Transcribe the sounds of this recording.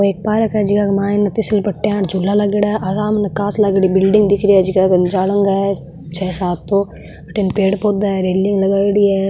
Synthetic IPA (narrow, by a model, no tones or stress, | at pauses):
oeːk̚paːɾɐkɛd͡ʒikakmaːinɐt̪isɪlpɐʈːãːʈd͡ʒʱulːalɐɡeɽaʔɐzaːmnɐkaːslɐɡɽibɪlɖɪ̃ŋɡd̪ɪkʰɾiɛd͡ʒikakd͡ʒaːləŋɡa | t͡ʃʰɛːsaːt̪ːo | ɐʈenpeːɽpoːd̪aɾeːlĩŋɡlɐɡaːɽiɛ